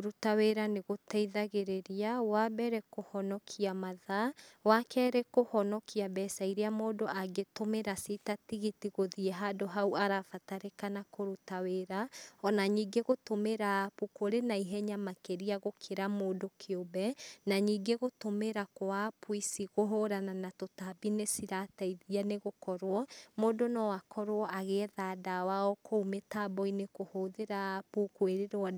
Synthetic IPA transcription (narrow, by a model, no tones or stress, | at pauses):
oɾutaweɾaneɣotɛiðaɣeɾeɾiawabɛɾɛkohɔnɔkʰiamaðawakʰɛɾɛkohɔnɔkiabɛsaiɾeamoːdoʔaɡetomeɾasitatiɣitiɣoðiɛɦadoɦauaɾafataɾekanakoɾutaweɾaɔnaɲiːɡeɣotomeɾapukoɾenaiɦɛɲamakeɾiaɣokʰeɾamoːdokʰeobɛnaɲiːɡeɣotomeɾakoapwisiɣoɦoɾananatotabinesiɾataiðianeɣokɔɾwɔmoːdonɔwakʰɔɾwɔʔaɣeðaːdawaɔkoumetabɔinekohoðeɾapukweɾeɾɔ